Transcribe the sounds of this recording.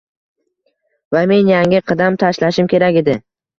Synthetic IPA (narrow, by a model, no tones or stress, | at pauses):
vame̞njaŋɪqʰɨd̪amt̪ʰaʃlaʃɪmkʲʰe̞ɾakʲed̪ɪ